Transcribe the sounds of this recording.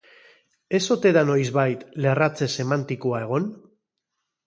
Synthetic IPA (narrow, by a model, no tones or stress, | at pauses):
e̞so̞t̪e̞ðano̞jzβajt̪le̞rat͡se̞se̞mant̪ikoae̞ɣ̞o̞n